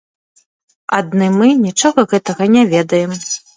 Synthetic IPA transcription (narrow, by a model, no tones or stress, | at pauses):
ad̪nɨmɨnʲit͡ʂɔɣɐɣɛt̪ɐɣɐnʲɛvʲɛd̪ɐjɛm